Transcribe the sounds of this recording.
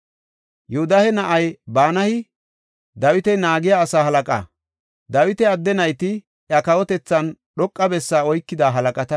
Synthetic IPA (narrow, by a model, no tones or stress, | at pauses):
jɛhʊd̪ɐhɛnɐʔɐjbaːnɐhɪ | d̪ɐwɪt̪ɛnaːɡɪjaːsaːhɐlɐkʼa̰ | d̪ɐwɪt̪ɛɐd̪ːɛnɐjt̪ɪ | jɐkɐwɔt̪ɛt͡sːɐnɗɔkʼːɐbɛsːaːɔjkːɪd̪aːɦɐlɐkʼɐt̪ɐ